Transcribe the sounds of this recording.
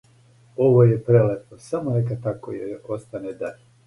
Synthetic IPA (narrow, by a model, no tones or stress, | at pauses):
oʋojepɾelet̪osamonek̬at̪akojeo̞st̪aned̪aɾ